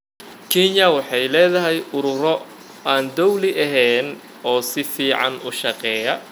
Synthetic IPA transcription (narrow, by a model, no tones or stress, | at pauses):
kʰɛnjɐwɑħɑjlɛːðɐɦɛjʊɾʊɾɔ | aːnd̪ɔwlɪʔɐɦɛːn | ɔːsɪfiːʕɑ̰nʊʃɑqɛːjɐ